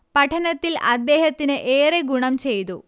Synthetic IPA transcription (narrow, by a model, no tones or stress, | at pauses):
pɐʈʰɐnɐt̪ːilʔɐd̪ːe̞ːhɐt̪ːinɨʔeːreɡuɳɐmt͡ɕe̞jt̪ṵ